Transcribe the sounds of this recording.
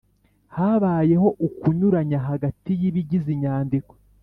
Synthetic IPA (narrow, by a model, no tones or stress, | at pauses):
haβaːje̞ho̞ʔukuɲuɾaɲaɦaɡatijiβiɟiziɲaːndiko̞̥